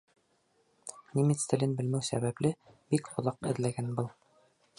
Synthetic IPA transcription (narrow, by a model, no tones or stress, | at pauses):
nʲimit̪st̪ɘ̆lɘnbɘ̆lmæwsæ̰βæplɘbikχŏðɑqɘ̆ðlæɡænbɤlˠ